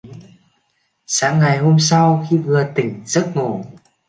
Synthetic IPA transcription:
saː˨˦ŋːa˨˩jɦo˧msa˧wxi˧vɨ˨˩ət̪ï˧˩ŋ̟z̥ə˦˥t̚ŋo˨˩

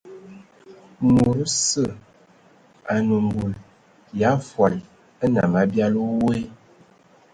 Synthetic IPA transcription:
mu˨ɾsə˦˨ | a˨nə˨mbu˨l | ja˨˦fwa˨l | ə˦na̰˨ma˨bja˦lo˦we˦

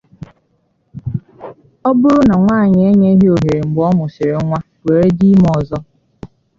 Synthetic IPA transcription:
ɔ˦bʊ˦ɾʊ˦na˨ŋʷaː˦˨ɲ˨e˦ɲe˦ɦe˦o˨ɦe˨ɾe˨ŋ͡m̩˨ɡ͡bɔ˦mʊ˨sɪ˨ɾe˨ŋʷa˦ | we˨ɾe˦di˦m˦ɔ˨zɔ˦

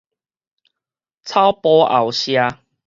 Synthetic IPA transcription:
t͡sʰa˦wpɔ˦ʔa̰˨˩wɕja˧

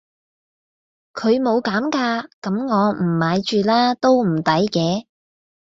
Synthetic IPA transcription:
kʰɵ˨˧ɥmo˨˧wkaː˨˥mkaː˧kɐ˨˥mŋɔː˨˧m̩˨˩maː˨˧jt͡ʃyː˨˧laː˥t̪o˥wm̩˨˩t̪ɐ˨˥jkɛː˧

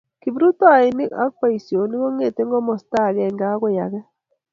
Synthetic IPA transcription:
ki˨bɾu˦t̪o˦a˨i˨ni˦ka̰˦k̚pa˦i˨sjo˨ni˦kɔ˦ŋe˦˨t̪e˦ŋɡɔ˦mɔ˨st̪a˦˨ɣɛ˦˨ŋɡa˦kʷwe˦ja˨ɣɛ˦

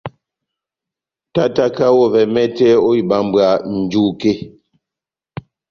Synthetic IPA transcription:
ta˦ta˦ka˦wɔ˦˨vɛ˨mɛ˦tɛ˦o˦i˨ba˦m˦bɰa˨n̩˨d͡ʒu˦˨ke˦

